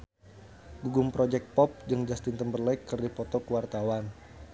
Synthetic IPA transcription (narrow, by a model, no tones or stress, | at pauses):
ɡuɡumpɾɔd͡ʒɛk̪̚pɔp̚d͡ʒɨŋd͡ʒast̪int̪əmbərlɛkːərdipɔt̪ɔkəwart̪awan